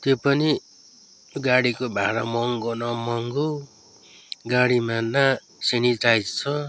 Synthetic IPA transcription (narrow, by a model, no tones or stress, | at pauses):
t̪jopʌni | ɡaɽikobʱaɾʌmʌŋɡonʌmʌŋɡo | ɡaɽimana | sinitajd͡zt͡sʰʌ